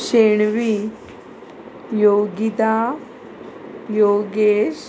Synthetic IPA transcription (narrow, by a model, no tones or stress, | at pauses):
ɕeɳʋi | joɡit̪a | joɡeɕ